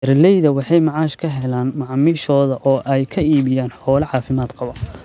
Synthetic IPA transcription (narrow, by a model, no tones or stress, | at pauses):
ɛɾlɛjðɐwɑħɑjmɑʕɑːʃkʰɐɦɛlaːnmɑʕmɪʃɔːðɐʔɔːʔɛjkʰɐiːβɪjaːnħɔːlɐʕɑːfɪmaːd̪qɑβɐ